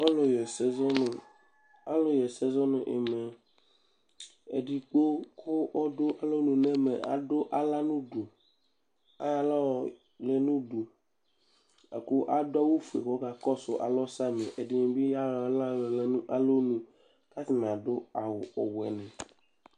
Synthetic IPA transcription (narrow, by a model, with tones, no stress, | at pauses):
ɔ˦lo˨jɛ˨sɛ˦zɔ˦n˨ | a˦lo˨jɛ˨sɛ˦zɔ˦nʊ̃˨ʔḛ˨me˨ | ḛ˨ɖi˨k͡po˦kʰo˦wɔ˦do˦ʔa˨lo˦nũ˨nẽ˦mḛ˨a̰˨ɖo˦ʔa˦la˦nũ˦du˨ | a̰˦a˦lɔ˦˨ | le˨nũ˦ɖu˨ | a̰˨ko˦ʔa˦do˦a˦wu˦fu˨ḛ˨xɔ˦ka˨kɔ˦sʊ˨ʔa̰˨lɔ˦sa˦mẽ˨ʔe˨di˦ɲẽ˨bi˦ja˦˨˦la˦lle˦nũ˦ʔa˦lo˦nũ˦ | ka˦t̪i˨mẽ˨a˨do˦a˨wo˨ɔ˨wɛ̰˨nɛ̃˨